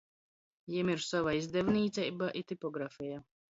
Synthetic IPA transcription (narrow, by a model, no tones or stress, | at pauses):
jimiɾsavaizd̪ɛvniːt̪sʲɛjbaʔit̪ipɔɡɾafʲija